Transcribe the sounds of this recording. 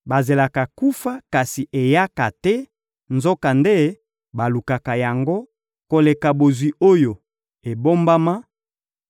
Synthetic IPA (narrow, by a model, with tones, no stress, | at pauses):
ba˨ze˨la˨ka˨ku˦fa˦ka˨si˨ʔe˨ja˦ka˨tɛ˦ | nzo˦ka˨nde˦ | ba˨lu˨ka˨ka˨ja˨ŋɡo˦ | ko˨le˨ka˨bo˨zwi˨o˦jo˨ | e˨bo˦mba˦ma˦